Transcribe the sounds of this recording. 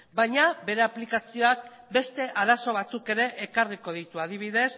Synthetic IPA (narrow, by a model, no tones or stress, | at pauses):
bajɲabe̞ɾe̞aplikasio̞ak | be̞st̪e̞ʔaɾaso̞β̞at͡suke̞ɾe̞ʔːkariko̞ð̞it̪uaðiβ̞iðe̞s